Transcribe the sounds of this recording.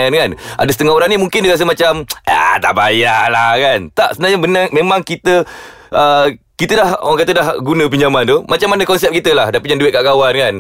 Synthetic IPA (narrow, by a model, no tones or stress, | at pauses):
nkanʔa̰dəsə̥t̪əŋaɦoɾanimuŋkɪndiɣas̬əmat͡ʃama̰t̪a̰ʔbajalahkant̪aʔsəənaɲabənamemãŋkit̪ə | ʔə | kit̪ədahaŋkat̪ədahɡunə̃p̬iɲd͡ʒamant̪omat͡ʃamːanəkɔnsɛp̚kit̪əlahdapuɲanduɪt̪̚kaʔɡawankan